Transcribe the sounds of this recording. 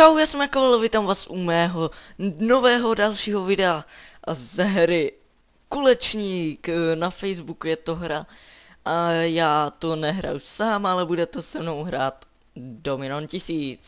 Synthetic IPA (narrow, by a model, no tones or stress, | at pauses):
t͡ʃawjaːsɛmjakovalovɪt̪amvaːsʔumɛːɦonovɛːɦodalʃiːɦovɪdɛaʔzɛɦɾɪ | kulɛt͡ʃɲiːknafɛjzbukujɛt̪oɦɾaʔajaːt̪onɛɦɾa̰jusaːmalɛbudɛt̪ɛsɛmno̞wɦɾa̰ːt̪ | domɪnoncɪsiːt͡s